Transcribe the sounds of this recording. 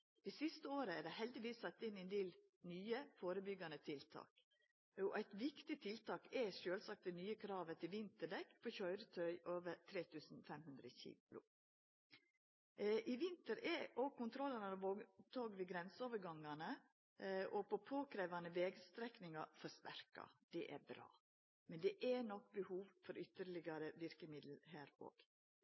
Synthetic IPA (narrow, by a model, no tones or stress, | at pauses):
d̪̥ɛɪsɪst̪əoːɾəæɖæhɛld̪ɪʋiːsɑt̪ːɪnɛnd̪eːl | nyːəfoːɾəbʏɡɑnət̪ʰɪlt̪ʰɑ̰ːk | ɔʔæɪt̪ʋɪkt̪ɪt̪ʰɪlt̪ʰɑːkɛʂøːlsɑk̚t̪̚d̪ɛnyːəkʰɾɑːʋət̪ʰɪlʋɪnt̪əɖɛkːpʰoːçœʏɾət̪ʰœʏʔoːʋəɾt̪ʰɾeːt̪ʰʉːsn̩fɛmhʉnd̪ɾəçḭːʊ̰ | ʔiʋɪnt̪əɾɛʔɔɡ̚kʰʊnt̪ʰɾɔlːɑnɑnʋoːt̪ʰoːɡʋiɡɾɛnsəoːʋəɾɡɑŋːɑnə | ʔɔpɔpʰoːkʰɾeːʋɑnəʋeːɡst̪ɾɛknɪŋɑfɔst̪æɾkɑ̰d̪̥ɛʔæɾbɾɑ̰ː | mɛnd̪ɛʔænɔk̚ːbəhuːʋfɔɾʏt̪əɾɭɪɡɑɾəʋɪɾkəmɪd̪l̩hæːɾo̰ːɡ̥